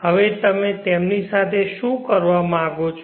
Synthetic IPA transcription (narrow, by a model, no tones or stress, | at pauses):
ɦəʋet̪əmẽt̪emnisat̪ʰeʃũkəɾʋamããɡot͡ʃʰ